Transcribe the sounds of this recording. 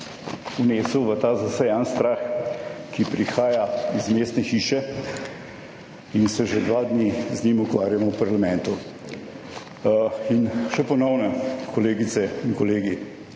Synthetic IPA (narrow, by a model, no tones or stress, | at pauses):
uneːsuʋət̪aːzasɛjanst̪ɾaxkipɾixaːjaizmeːst̪nɛxiːʃɛ | insɛʒed̪ʋad̪nizɲimukʋaːɾjamɔwpaɾlamɛnt̪u | inʃɛpɔnɔwnɛkʰɔleːɡit̪sɛiŋkɔleːɡi